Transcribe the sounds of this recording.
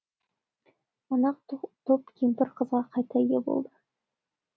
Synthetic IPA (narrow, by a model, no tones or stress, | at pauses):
mənɑq̚t̪ʰop̚kʲʰimpɪɾqʰəzʁɑqʰɑjt̪ɑɪɡʲebo̰lˠd̪ə